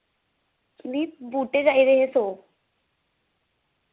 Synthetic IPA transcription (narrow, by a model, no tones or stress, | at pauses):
liːpbuːʈeɾaiɾeɦesoː